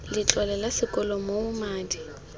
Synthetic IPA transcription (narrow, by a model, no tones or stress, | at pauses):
lɪt͡ɬʼwalɛlasɪkʼɔlɔmoʊmaːdi